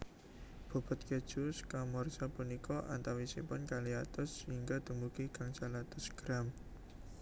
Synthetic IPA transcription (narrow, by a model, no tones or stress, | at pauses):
b̥ɔ̤b̥a̤t̪̚ked̥ʒ̥uskamɔrsapunikɔʔa̰nt̪awisḭpʊnkaliat̪ʊsːəhiŋɡad̪̥əmukikaŋt͡ʃalat̪ʊsɡ̥ɾam